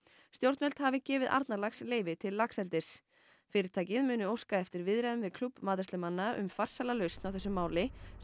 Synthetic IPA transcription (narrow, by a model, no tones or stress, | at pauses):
st̪jowɾt̪nœl̥t̪havɪcɛːvɪðʔa̰ɾt̪naɾlaxsleːjvɪt̪ʰɪlːaksɛlt̪ɪ̥s | fɪːɾɪɾ̥t̪ʰaːjcɪðmʏːnʏowskaɛft̪ɪɾvɪðɾaðʏmvɪðkʰlupːmaːðɪ̥st̪lʏmanːaʔʏ̰mfar̥salalœɥst̪nawfθɛsːʏmːaːwlɪ